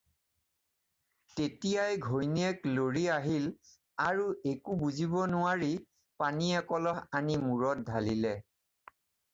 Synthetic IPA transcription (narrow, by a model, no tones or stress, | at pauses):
tetijajɡʱojniɛkloɹiaɦil | aɹuʔekubuzibɔnʊaɹi | paniɛkɔlɔɦanimuɹɔt̚dʱalilɛ